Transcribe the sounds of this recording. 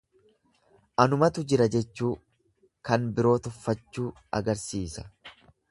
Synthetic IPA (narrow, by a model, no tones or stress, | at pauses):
ʔɐnʊmɐt̪ʊd͡ʒɪɾɐd͡ʒɛt͡ʃːuː | kɐnbɪɾo̞ːt̪ɔfːɐt͡ʃːuː | ɐ̰ɡɐɾsiːsɐ̥